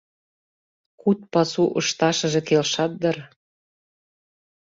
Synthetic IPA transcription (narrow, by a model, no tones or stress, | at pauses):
kut̪̚pɑsuʔɤ̆ʃt̪ɑʃɤ̆ʒĕkelʃɑt̪̚d̪ɤ̆r